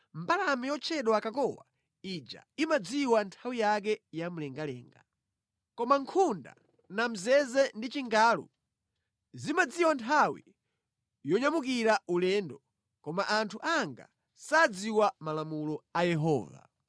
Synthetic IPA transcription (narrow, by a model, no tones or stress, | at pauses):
m̩balamɛjɔt͡ʃʰɛɗwakakɔwa̰ | id͡ʒa̰imad͡ziwantʰawijak̬ɛjamulɛŋɡalɛːŋɡa̰ | kɔmaŋkʰunda̰ | nam̩zɛzɛndit͡ʃiŋɡaːlṵ | zimad͡ziwantʰawḭ | jɔɲamukiɾaulɛːndɔ | kɔmaʔantʰuʔaŋɡa̰ | sad͡ziwamalamulɔajɛɦɔ̰ːva̰